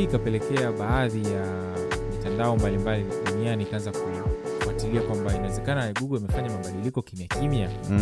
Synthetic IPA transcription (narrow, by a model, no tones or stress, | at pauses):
ikapɛlɛkɛaɓaːðija | mitandaɔmbalimbaliɗunianiːkaanzakujifwatiliakwambainawɛzɛkanaamiɡuɠɔimɛfaɲamaɓaɗilikɔkimjakʰimja